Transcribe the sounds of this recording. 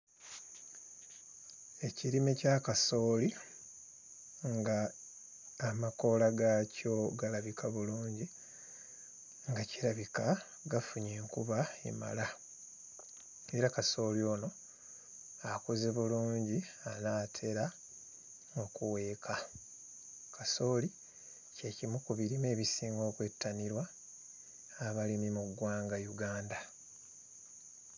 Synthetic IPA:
e̞ciɾime̞cakaso̞ːli | ŋɡaː | mako̞laɡaco̞ɡalaβikʰaβuluːɲɟi | ŋɡaciɾaβika | ɡafuɲeːŋkuβaḛma̰la | e̞ɾakaso̞ːljo̞ːno̞ | akoze̞βuluːɲɟianaːtʰe̞ɾa | ŋokuwe̞ːkʰa | kaso̞ːli | ce̞cimukuβiɾime̞ːβisiːŋɡo̞ːkwe̞tːaniɾwa | βalimimuɡwaːŋɡajuɡaːnda

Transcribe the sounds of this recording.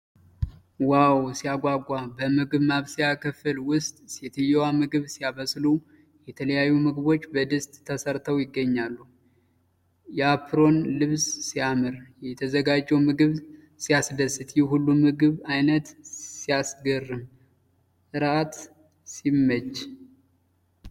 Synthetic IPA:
wawsijaɡʷaɡʷʼːabəmɨɡɨβmaβsijakʰəfɨlwʊst̪ʼsjɛt̪ʰɨjɛwamɨɡɨβsijaβəslu | jɛt̪ʰələjajːumɨɡɨβo̞t͡ʃːbəd̪ɨst̪ʼʰːəsəɾt̪ʰəwjɪɡːəɲːalːu | jɛapʰɾo̞nlɨβssijamɨɾjɛt̪ʰəzəɡad͡ʒːɛwmɨɡɨβ | sijasd̪əsɨt̪jɛɦulːumɨɡɨβajnət̪sijasɡərːɨm | ɨɾat̪ | simːəd͡ʒ

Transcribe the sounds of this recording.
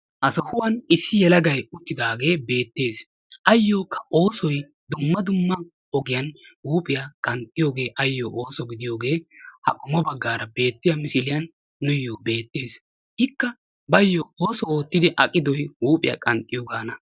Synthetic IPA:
ʔɐsɐhʊwɐnɪsːɪjɛlɐɡɐjʊt̪ːɪd̪aːɡe̞ːbe̞ːt̪ːe̞ːs | ʔɐjːo̞ːkʰːɐ̥oːsɔj | d̪ʊmːɐd̪ʊmːɐ | ɔɡɪjɐnhuːpʼɪjakʼɐnt̪ʼːɪjo̞ːɡe̞ːʔɐjːoːʔoːsɔɡɪd̪ɪjo̞ːɡe̞ːhɐ̰kʼʊmɔbɐɡːaːɾɐbe̞ːt̪ːɪjɐmɪsɪlɪjɐnː | ʊjːoːbe̞ːt̪ːe̞ːs | hɪkːɐ | bɐjːɔoːsɔoːt̪ːɪd̪ɪʔɐkʼːɪd̪ɔjwuːpʼɪjɐ̰kʼɐnt̪ʼːɪjoːɡaːnɐ

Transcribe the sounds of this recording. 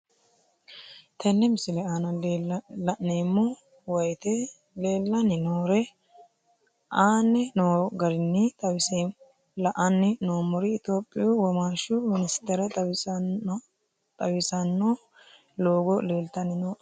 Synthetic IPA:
t̪ɛnːɛmɪsɪlɛaːnɐ | ɐneːmːɔ | wɐjt̪ɛ | le̞ːlːɐnɪnoːɾɛ | aːnɛnoːɡɐɾɪnːɪɐ | lɐʔɐnːɪnoːmʊɾɪːt̪o̞ːpʼːɪjuwɔmaːʃʊmɪnɪst̪ɛɾɐ | t̪ʼɐwɪsɐnːo | loːɡɔle̞ːlt̪ɐnɪnoː

